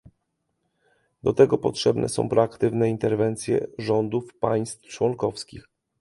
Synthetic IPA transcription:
d̪ɔt̪ɛɡɔpɔtʂɛbnʔɛ̰sɔ̰̃w̃pɾɔakt̪ɘvnɛint̪ɛɾvɛnt̪sʲjɛ̰ʐɔnd̪ufpaj̃st̪ft͡ʂwɔŋkɔfskʲix

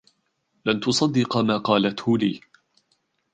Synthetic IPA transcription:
lant̪ʊsˤɑd̪ːɪqɑmaːqɑːlat̪hʊliː

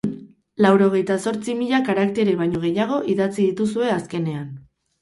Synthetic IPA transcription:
lawɾo̞ɣ̞e̞jt̪aso̞ɾt͡simiʎakaɾakt̪e̞ɾeβajɲo̞ɣ̞e̞jaɣ̞o̞ʔiðat͡siðit̪usue̞aske̞ne̞an

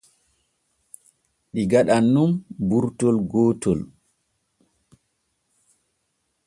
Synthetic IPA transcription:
ɗiɡaɗanːumbuɾtɔlɡɔːtɔl

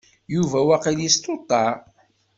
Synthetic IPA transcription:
juvæwæqiljist̪ot̪ˤːɑ

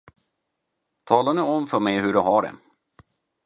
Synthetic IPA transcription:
t̪ʰɑːlaɳɵɔmfœmɛjɦɵɖɵɦaɖɛ̰

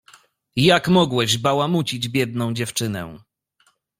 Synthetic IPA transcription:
jakmɔɡwɛʑbawamut͡ɕid͡ʑbʲjɛd̪̚nɔ̃w̃d͡ʑɛft͡ʂɘnɛ̰

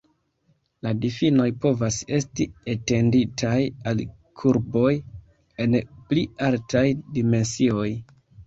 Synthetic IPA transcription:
ladifino̞jpo̞vase̞stiete̞nditʰajal | kʰuɾbo̞j | e̞nplialtʰajdime̞nsio̞j

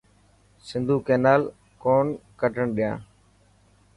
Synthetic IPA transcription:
sɪ̃nd̪ʱuːkeːnaːl | koːɳkəʈəɳɗɪjãː

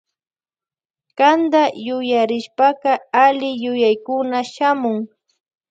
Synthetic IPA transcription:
kand̪ajʊjaɾɪʃpakɑalɪjʊjajkʊnaʃamʊŋ

